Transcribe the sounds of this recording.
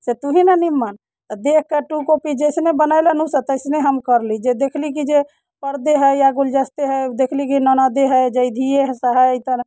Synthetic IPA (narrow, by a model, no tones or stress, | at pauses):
set̪uɦinanimːan | t̪əd̪ek̚ʰkeʈukopid͡ʒəɪsnebənajlənusət̪əɪsneɦəmkəɾlid͡ʒed̪ekʰlik̬id͡ʒe | pəɾd̪eɦəjaɡuld͡ʒəst̪eɦəd̪ekʰlik̬inənad̪eɦəd͡ʒəɪd̪ʱieɦsəɦait̪ə